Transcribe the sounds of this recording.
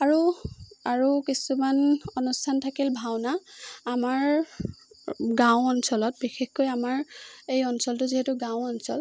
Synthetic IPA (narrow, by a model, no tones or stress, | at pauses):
aɹuaɹukisumanɔnustʰantʰakilbʱawnaːmaɹ | ɡãw̃ɔnsɔlɔt̚bixexkojamaɹejɔnsɔltʊziɦɛtʊɡãwɔnsɔ̰l